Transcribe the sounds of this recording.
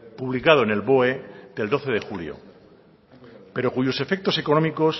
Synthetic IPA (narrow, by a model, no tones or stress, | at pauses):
puβlikað̞oenelβo̞ed̪e̞ld̪o̞θe̞ðe̞xuljo̰ | pe̞ɾo̞kuʝo̞se̞fe̞k̚t̪o̞se̞ko̞nomiko̞s